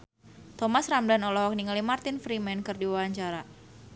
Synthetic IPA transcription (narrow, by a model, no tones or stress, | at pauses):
t̪ɔmasramdanɔlɔɦɔk̚niŋalimart̪infɾimɛnkɨrdiwawaɲt͡ʃaɾa